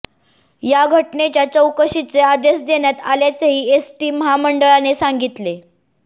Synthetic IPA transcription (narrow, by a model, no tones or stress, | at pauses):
jaɡʱəʈnet͡ɕjat͡səwkəɕit͡sead̪esd̪enjat̪aljat͡seɦiːesʈiːməɦaməɳɖəɭanesaŋɡit̪le